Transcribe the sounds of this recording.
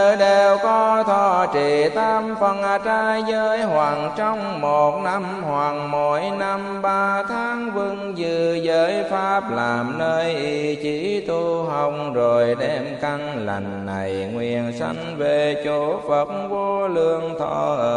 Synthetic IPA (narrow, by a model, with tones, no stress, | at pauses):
ɗe˨˩wkɔ˨˧˦t̪ʰɔ˨˩t͡ɕi˨˩t̪ʰaː˧mfə˨˩nʔaː˨˩t͡ɕaː˧jzəː˨˦jɦwaː˨˩ŋt͡ɕɔ˧wŋ͡mmo˨˩t̚na˧mhwaː˨˩ŋmo˨˦jna˧mɓaː˧t̪ʰaː˨˦ŋvɨ˧ŋzɨ˨˧˩zəː˨˦jfaː˦˥p̚laː˨˩mnəː˧jʔi˧t͡ɕi˨˦t̪u˧ɦaə˧˩wŋ͡mzo˨˩jɗɛ˧mka˧ŋ | la̰˨˩jŋ̟ːa˨˩jŋwi˧˨˩ənsa̰˧jŋ̟ve˨˩t͡ɕo˨˦fə˨˩t̚vo˧lɨ˧əŋt̪ʰɔ̰˧˩ʔə˨˧˩